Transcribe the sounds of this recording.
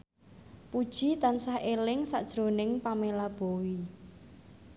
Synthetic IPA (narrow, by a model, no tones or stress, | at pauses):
pud̥ʒ̥i̤t̪ansahʔelɪŋsa̰ʔd̥ʒ̥ɾo̤nɪŋpamelab̥o̤wi